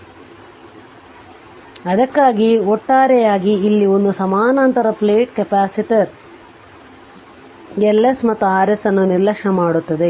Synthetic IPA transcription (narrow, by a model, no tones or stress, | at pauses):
ɐd̪ɐkːaːɡiɔʈːaːɾɛjaːɡiːlːiond̪usɐmaːnaːnt̪ɐɾɐpleːʈkɐpaːsiʈɐɾ | elːesmɐt̪ːuaːɾesɐnːuniɾlɐkʂɐmaːɽut̪ːɐd̪e̞